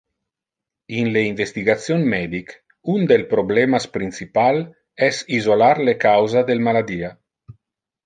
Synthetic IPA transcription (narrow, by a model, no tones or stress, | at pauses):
inleiɱvest̪iɡat̪sjonmɛːd̪ik | und̪elpɾoblɛmaspɾinsipal | ɛsizolaɾlekawzad̪elmalad̪iːa